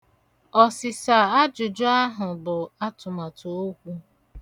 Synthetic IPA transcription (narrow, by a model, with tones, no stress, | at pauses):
ɔ˨sɪ˨sa˨a˦d͡ʒʊ˨d͡ʒʊ˦a˦ɦʊ˨bʊ˨a˦tʊ˨ma˨to˨o˦kʷu˦